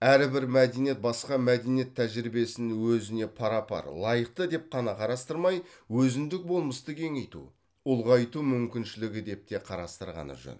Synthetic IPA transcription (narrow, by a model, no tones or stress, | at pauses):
æɾbɪɾmæd̪e̞nije̞t̪̚bɑsqɑmæd̪enije̞t̪ʰːæʒɾibe̞sɪnɪwɵzɪne̞pʰɑɾɑpɑ̰ɾlˠɑjəq̚t̪əd̪e̞p̚qʰɑnɑqʰɑɾɑst̪əɾmɑjwɵzɪnd̪ɪk̚bo̞lˠməst̪əkʲʰe̞ŋe̞jt̪ṵ | ʊlˠʁɑjt̪umʏmkʲɪnʃɪlɪɡʲɪd̪e̞p̚t̪e̞qʰɑɾɑ̰st̪əɾʁɑ̰nə̰ʒɵ̰n